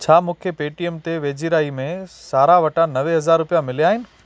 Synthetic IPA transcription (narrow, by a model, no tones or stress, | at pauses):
t͡ɕʰaːmũːkʰepeːʈiɛmt̪eʋeːd͡ʑiɾaːimẽsaːɾaʋɐʈanɐʋeɦɐzaːɾːʊpijamɪlijaːɦɪnɪ̆